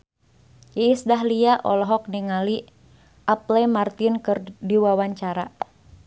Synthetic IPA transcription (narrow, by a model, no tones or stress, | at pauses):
jɛisdaɦliaʔɔlɔɦɔk̚niŋali | ʔaplɛmart̪inkɨrdiwawaɲt͡ʃaɾa